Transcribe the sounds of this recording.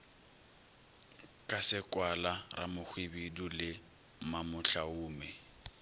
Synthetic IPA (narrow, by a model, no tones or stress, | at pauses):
kʼasɪkʼwalara̰mʊk͡xwibidʊlɪ | mamʊɬaʊːmɛ